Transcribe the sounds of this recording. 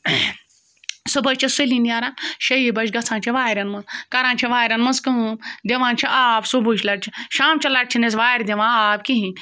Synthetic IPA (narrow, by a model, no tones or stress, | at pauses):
subɐt͡ʃʰɐsulinʲjaːɾãːʃɐjibɐʃɡɐt͡sʰãːnt͡ʃʰiʋaːjɾɐnmɐ̃kɐɾãːnt͡ʃʰiʋaːjɾɐnmɐskɐmd̪eʋãːnt͡ʃʰiʔaːbsubut͡ʃʰlɐɾt͡ʃʰiʃaːmt͡ʃʰɐlɐʈ̚t͡ʃʰinezʋaːjɾd̪ʲeʋãːaːbkiɦĩ